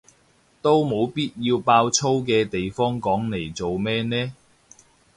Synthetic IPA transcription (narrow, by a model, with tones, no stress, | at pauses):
t̪o˥wmo˨˧wpiː˥t̚jiː˧wpaː˧wt͡sʰo˥wkɛː˧t̪e˨jfɔː˥ŋkɔː˨˥ŋne˨˩jt͡so˨wmɛː˥nɛː˥